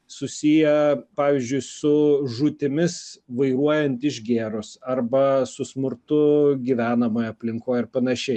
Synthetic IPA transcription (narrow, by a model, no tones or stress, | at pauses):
sʊsʲijɛpɑːʋʲɪzʲd͡ʒʲʊɪsʊʒʊt̪ʲɪmʲɪsʋɐɪɾuɔjɛnt̪ɪʒɡʲeːɾʊsɐrbɐsʊsmʊɾt̪ʊɡʲiːʋʲæːnɐmoːjɐpʲlʲɪŋkoːjɪɾpɐnɐʃʲɛɪ